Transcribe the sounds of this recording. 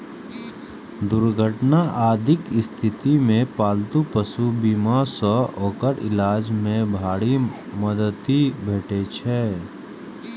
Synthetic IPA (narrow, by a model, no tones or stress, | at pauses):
d̪ʊɾɡʱəʈnaʔaːd̪ʱɪkɪst̪ʰɪt̪imẽpaːlt̪upəsubiːmasɔʔɔːkəɾɪ̰laːd͡ʒmẽbʱaːɽimɐd̪ət̪ibʱeːʈet͡ʃʰɛː